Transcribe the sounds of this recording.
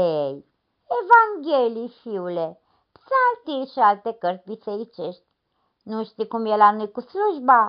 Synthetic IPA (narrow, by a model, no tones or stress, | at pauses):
ej | evaŋɡʲelijfiule | psaalt̪ilʲʃialt̪ekəɾt̪sʲvit̪seɾit͡ʃeʃt̪ʲ | nuʃt̪ikumjelanujkusluʒba